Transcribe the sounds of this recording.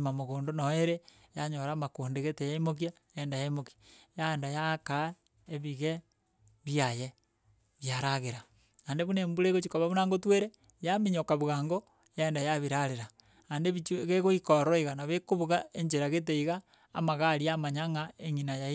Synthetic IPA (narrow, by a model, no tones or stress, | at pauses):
mamoɣoːndonoeɾejaɲoɾaːmakuːndeɣetejaimok̬ia | jeːndajaimokiajaendajaka | eβiɣe | βiaje | βjaɾaɣeɾa | andeβunembuɾeɣot͡ʃikoβaβunaŋɡotweɾe | jamiɲokaβuɣaːŋɡo | jaendajaβiɾaɾeɾa | andeβit͡ʃuɣeɣoikoɾoiɣanaβekoβuɣaeɲd͡ʒeɾaɣet̬eiɣaː | maɣaɾiamaɲaŋaeŋinaja